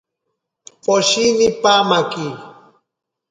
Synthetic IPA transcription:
poʃinipamaki

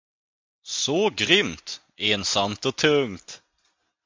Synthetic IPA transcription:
sɔɡɾʏmt̪ | eːnsamt̪ɔt̪ʰɵŋt̪

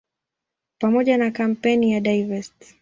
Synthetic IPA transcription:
pamɔʄanakam̩pɛnijaɗaivɛst

